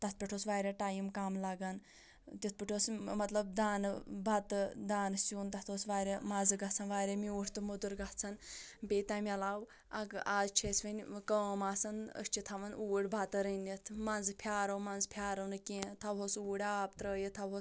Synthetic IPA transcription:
t̪ɐt̪̚ʰpʲiʈʰoːsʋaːɾʲaʈaːjimkaːmlɐɡɐn | t̪ʲit̪̚ʰpʲiʈʰosmɐt̪lɐb̚d̪aːnbʱat̪ɨd̪aːnsuːnt̪ɐt̪ʰoːsʋaːɾʲemazɨɡɐt͡sʰɐnʋaːɾʲemiuːʈʰʲt̪ɨmod̪uɾɡɐht͡sʰɐnbʲeːt̪amʲɐlaːw | ɐɡaːzt͡ʃʰesʲʋɐnʲkəʋmaːsɐnə̰sʲt͡ʃʰit̪ʰɐʋɐnuːɽʲbʱat̪ɨɾənʲːit̪ʰmanzɨpʰʲaːɾɐmanzpʰʲaːɾɐnɨkʲẽːt̪ʰawɦosuːɽʲaːb̚t̪ɾəːjət̪ʰɐwɦo

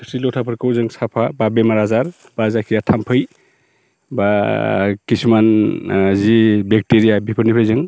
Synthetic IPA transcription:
silɔtʰapʰɯɾkɯwzɯŋsapʰababemaɾazaɾ | b̥azakʰijatʰampʰɯj | ba | kismanzibek̚teɾijabʱipʰɯɾnipʰɯjzɯŋ

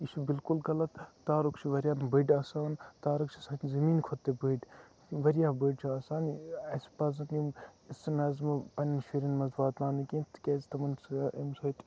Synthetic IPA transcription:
iʃubilkulɡɐlɐt̪ːaːɾukt͡ʃʰiʋɐɾjaːnbəjɖɐːsaːnt̪aːɾɐkt͡ʃʰisɐːnzɐmiːnkʰot̪ːebəɖ | ʋɐɾʲjaːbəːɖt͡ʃʰiaːsaːnɐsi̥pɐzɐnjimisɐnɐzmɐpɐnimʃiɾinmɐzbaːt̪naːnikint̪ʰkʲeːzit̪ɐmɐnsɐmsot̪ʲ

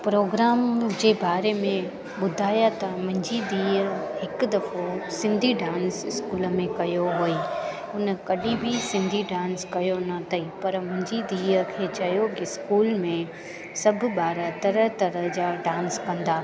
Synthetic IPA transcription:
pɾoːɡɾaːmd͡ʑeːbaːɾemẽ | ɓʊd̪ʱaːjat̪ɐmɐ̃ɦɪ̃ɲd͡ʑid̪iːəhɪkʊd̪ɐfosɪ̃nd̪ʱiɖãːnsɪskuːlə̆mẽkɐjoɦoːi | ʊnəkɐɗĩbʱɪsɪ̃nd̪ʱiɖãːnskɐjonɐt̪ʰɐipɐɾmʊ̃ɦɪ̃ɲd͡ʑid̪iːəkʰeːt͡ɕɐjokɪskuːlmẽ | sɐbʱʊɓaːɾət̪ɐɾəɦt̪ɐɾəɦd͡ʑaːɖãːnskɐ̃nd̪aː

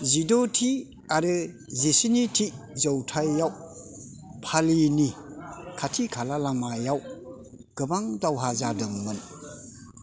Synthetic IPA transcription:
zidotʰi | aɾɯ | zisinitʰizɔwtʰajːaw | pʰalinikʰatʰikʰalalaŋmajaw | ɡ̥ɯbaŋdawɦazadɯŋmɯn

